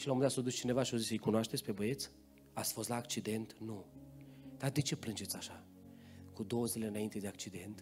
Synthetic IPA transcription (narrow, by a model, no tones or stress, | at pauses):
ʃilomɨnat̪sod̪ust͡ʃine̞vaʃiozisəjkunoaʃt̪esʲpebəe̞t̪s | at̪sʲfo̞st̪laːkt͡ʃid̪e̞nt̪nu | d̪̥ad̪e̞t͡ʃe̞plɨnd͡ʒe̞t̪sʲaʃa | kud̪o̞wozile̞ɨnaint̪e̞d̪eakt͡ʃid̪e̞nt̪